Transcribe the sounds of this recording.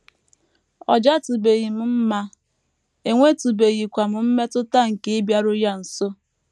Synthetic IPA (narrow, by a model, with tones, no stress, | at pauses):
ɔ̰˨d͡ʒa˦tu˨be˨ɣi˨m̩˨m̩˦ma˦ | e˨ŋʷe˦tu˨be˨ɣi˨kʷa˨mʊ˨m̩˦me˦tʊ˦ta˦ŋ̩˨ke˦e˦bja˦ɾʊ˦ja˦n̩˨so˦